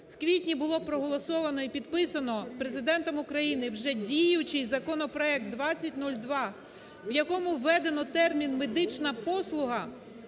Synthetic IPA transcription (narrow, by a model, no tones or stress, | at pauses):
wkʋʲitʲnʲibʊlˠɔpɾɔɦɔlˠɔsɔʋɐnɔipʲid̪pɪsɐnɔpɾe̞zɪd̪ɛnt̪ɔmʊkɾɐjinɪwʒɛdʲijʊt͡ʃɪjzɐkɔnɔpɾɔɛk̚t̪̚d̪ʋɑt͡sʲːɐtʲnulʲd̪ʋɑ | wjɐkɔmʊwːɛd̪enɔt̪ɛrmʲinmed̪ɪt͡ʃnɐpɔslˠʊɦɐ